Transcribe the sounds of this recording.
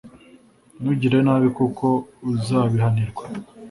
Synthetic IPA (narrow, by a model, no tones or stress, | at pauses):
nuɟiɾe̞naːβikuko̞uzaːβihaniɾɡwa